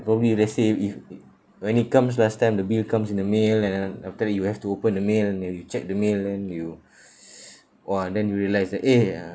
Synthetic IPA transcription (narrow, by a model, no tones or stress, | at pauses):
pɹɔbəblilɛtseif | wɛ̃nit̚kãms̬lastãjmdəbilkãmsĩnəmelɛ̃nɛnaftədɛt̚juhɛftuopə̃ndəmelɛ̃nɛjut͡ʃɛk̚dəmelɛ̃nju | ʔɛdɛ̃njuɹiəlaɪsdɛte